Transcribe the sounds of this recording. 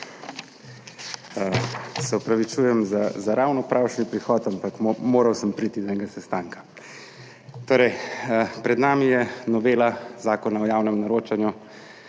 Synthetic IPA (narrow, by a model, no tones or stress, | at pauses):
sɛɔpɾɐʋit͡ʃuːjɛmzazaɾawnɔpɾawʃnipɾixɔːt̪ampakmoːɾawsəmpɾit̪id̪aɛŋɡasɛst̪aːŋkḁ | t̪oːɾɛjpɾɛd̪naːmijɛnɔʋeːlazaːkɔnaɔjaːwnɛmnaɾoːt͡ʃanju